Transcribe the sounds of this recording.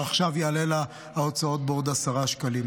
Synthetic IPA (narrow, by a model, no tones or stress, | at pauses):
aχʃavjealela | hao̞t͡sao̞t̪̚bod̪asaʁaʃkalim